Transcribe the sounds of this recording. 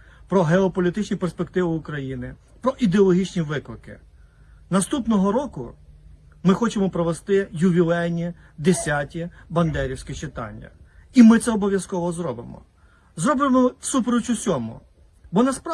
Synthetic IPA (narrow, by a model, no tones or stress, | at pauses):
pɾɔɦeɔpɔlʲit̪ɪt͡ʃnʲiperspekt̪ɪʋɪʊkɾɐjinɪ | pɾɔʔid̪eɔlˠɔɦʲit͡ʃnʲiʋɪklˠɪkɪ̰ | nɐst̪upnɔɦɔɾɔkʊ̰ | mɪxɔt͡ʃemɔpɾɔʋest̪ɪjʊʋʲilˠɛjnʲid̪esʲatʲibɐnd̪ɛɾʲiwsʲkɪt͡ʃɪt̪ɑ̰nʲːɐ̰imɪt̪sɛɔbɔʋʲjɐskɔʋɔzɾɔbɪmɔ̰ | zɾɔbɪmɔsupɾɔt͡ʃʊsʲɔmʊ̰ | bɔnɐsp